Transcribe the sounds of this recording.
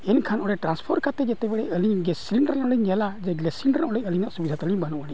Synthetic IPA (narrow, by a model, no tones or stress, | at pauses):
ɛnkʰanʔɔɽɛʈɾanspʰɔɾkat̪ɛd͡ʒɛt̪ɛbɛɽɛʔəliɲɡɛsiliɳɖəɾnɔɽiɲɛlad͡ʒɛɡlɛsiɳɖəɾnʔɔɽɛʔəliɲnaʔsubid̪ʱat̪əliɲbanuʔaɽiɲ